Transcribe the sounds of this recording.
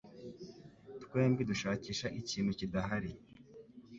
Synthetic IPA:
tkwe̞ːmbiduʃaːciːʃaʔiciːn̤̥hucidaɦaɾi

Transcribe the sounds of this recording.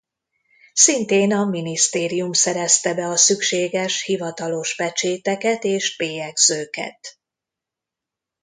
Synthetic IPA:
sint̪eːnɒminist̪eːɾijumsɛɾɛst̪ɛbɛɒsykʃeːɡɛʃhivɒt̪ɒlo̞ʃbɛt͡ʃeːt̪ɛkɛt̪eːʃpeːjɛɡzøːkɛ̰t̪

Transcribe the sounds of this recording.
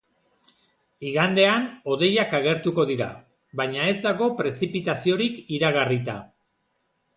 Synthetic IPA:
iɣand̪e̞ano̞ðe̞jakaɣ̞e̞ɾt̪uko̞ðiɾa | βajɲae̞zd̪aɣo̞pɾe̞sipit̪asio̞ɾikiɾaɣ̞arit̪a̰

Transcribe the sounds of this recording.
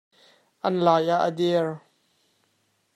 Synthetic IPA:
ʔɐnlaːjaʔədɛɹ

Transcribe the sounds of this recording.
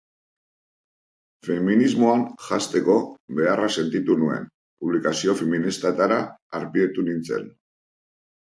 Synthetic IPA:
fe̞minizmo̞anʝast̪e̞ko̞be̞arase̞nt̪it̪unue̞̰n | puβ̞likasio̞feminist̪at̪aɾaːɾpiet̪unint͡se̞̰n

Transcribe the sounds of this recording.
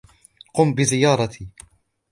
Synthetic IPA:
qʊːmbɪzɪjɑːɾˤɑt̪ʰi

